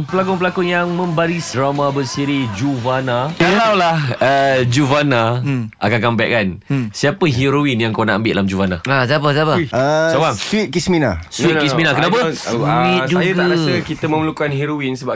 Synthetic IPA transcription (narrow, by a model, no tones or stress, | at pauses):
pəlak̬ɔnpəlakɔnjaŋmə̃mbaɾisdɾamãbəsiɾid͡ʒuvanakəlawlahəd͡ʒuvanaʔakakanmbajɛa̰ʔkansiapəɦiɾowinjaŋkownaʔambɪʔdalamd͡ʒuvanaasap̬əsapaəsobaŋswit̪̚kismina̰sit̪kisminakənapəid͡ʒujəɡ̪aɾassəkit̪əmə̃məlukanɦiɾowinsəba